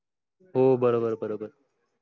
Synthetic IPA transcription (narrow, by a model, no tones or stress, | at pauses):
ɦoːbəɾoːbəɾbəɾoːbəɾ